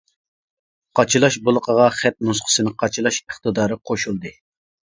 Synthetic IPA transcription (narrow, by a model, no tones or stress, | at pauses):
qʰɑt͡ʃʰilˠɑʃbolˠəqʰəʁɑχɛt̪̚nusqʰə̥sɨnɪqʰɑt͡ʃʰɨlˠɑʃəχt̪ɨd̪ɑːɾɨqʰoʃulˠd̪ɨ